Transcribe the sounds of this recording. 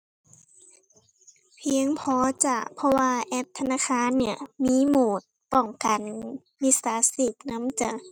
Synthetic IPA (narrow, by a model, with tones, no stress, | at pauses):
pʰi˧˦ə˨ŋpʰɔː˧˦t͡ɕa˧˨˩pʰɔ˧waː˧ʔɛ˧˥p̚t̪ʰa˧naː˧˥˨xʰaː˧˥˨nːi˧˩əmiː˧˥˨muː˨˩t̪̚pɔ˧˩ŋka˨˩n | mi˧˥saː˨˦si˧˩p̚na˧˥˨mt͡ɕa˧˩